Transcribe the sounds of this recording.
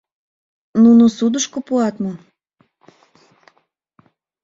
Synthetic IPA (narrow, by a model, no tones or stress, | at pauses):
nunosud̪əʃkopuɑt̪mo